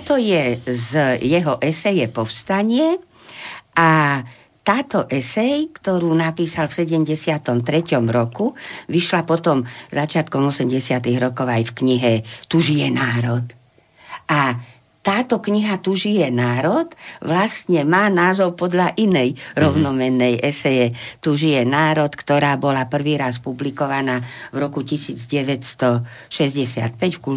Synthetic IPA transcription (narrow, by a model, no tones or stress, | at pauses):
ɔt̪ɔjɛzjɛɦɔʔɛsɛjɛpɔfst̪aɲɪɛ | ʔa | t̪aːt̪ɔʔɛsɛjkt̪ɔɾuːnapiːsalfsɛɟɛmɟɛsɪat̪ɔmt̪ɾɛcɔmɾɔkuʋiʃlapɔt̪ɔmzat͡ʃɪat̪kɔmɔsɛmɟɛsɪat̪iɣɾɔkɔʊajfkɲiɦɛt̪uʒijɛnaːɾɔt̪ | ʔa | t̪aːt̪ɔkɲiɦat̪uʒijɛnaːɾɔt̪ʋlast̪ɲɛmaːnaːzɔʊpɔd̪ʎaʔinɛjɾɔʊnɔmɛnːɛjʔɛsɛjɛt̪uʒijɛnaːɾɔt̪kt̪ɔɾaːbɔlapr̩ʋiːɾaspublikɔʋanaːvɾɔkucisiːd͡zɟɛʋɛcst̪ɔʃɛzɟɛsɪa̰t̪̚pɛcfku